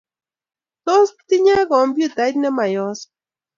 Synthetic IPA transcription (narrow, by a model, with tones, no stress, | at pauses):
t̪o˦st̪i˦ɲa˦kɔ˨m˦bju˦t̪a˨jt̪nɛ˦ma˨jɔ˦s